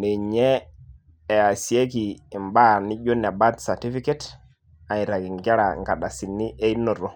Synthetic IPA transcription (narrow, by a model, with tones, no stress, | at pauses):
ne˨ɲeː˦˨ | a˨si˨e˦ki˨i˨mba˦ni˦d͡ʒo˦n˨a˨ba˦tsa˨ti˦fi˦ke˦t | a˨i˨ɾa˨ɡi˨ŋɡe˦ɾa˨ŋɡa˨ɗa˨si˨nːi˦ʔe˦i˦no˨ɾo˨